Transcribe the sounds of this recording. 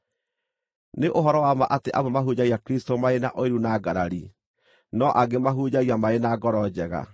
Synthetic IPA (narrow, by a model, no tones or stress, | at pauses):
neʔoɦɔɾɔwamaʔateʔamomaɦud͡ʑaiakɾistomaenaʔɔeɾunaɡaɾaɾi | nɔʔaɡemaɦud͡ʑaɣiamaenaɡɔɾɔd͡ʑɛɣa̰